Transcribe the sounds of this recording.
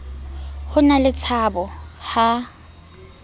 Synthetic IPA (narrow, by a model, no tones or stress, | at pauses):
hʊnalɪt͡sʰabɔha